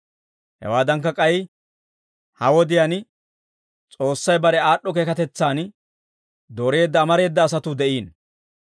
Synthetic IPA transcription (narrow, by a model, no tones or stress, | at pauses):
hɛ̰waːd̪ɐŋkːɐkʼɐj | hɐwɔd̪ɪjan | t͡sʼo̞ːsːɐjbɐɾɛaːɗːɔk̬e̞ːkɐt̪ɛt͡sːaːn | d̪oɾe̞ːd̪ːɐːmɐɾe̞ːd̪ːɐːs̬ɐt̪ʊd̪ɛʔiːn